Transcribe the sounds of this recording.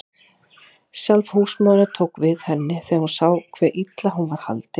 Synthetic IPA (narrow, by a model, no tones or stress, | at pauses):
sjalvhusmaðnʏɾt̪ʰoːwkvɪðhɛnːɪθɛahunsaːwkʰvɛːʔit̪laɦunvaɾ̥ha̰lt̪ɪ